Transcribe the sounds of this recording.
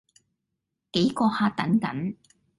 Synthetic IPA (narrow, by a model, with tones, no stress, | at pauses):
ke˨˥jkɔː˧haː˧t̪ɐ˨˥nkɐ̰˨˥n